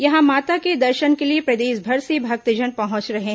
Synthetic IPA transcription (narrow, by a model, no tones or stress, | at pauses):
jɐɦãmaːt̪aked̪ɐɾʃənkeliepɾɐd̪eːʃbʱɐɾsebʱɐk̚t̪id͡ʒənpɐɦɔ̃t͡ʃɾɐɦeɦ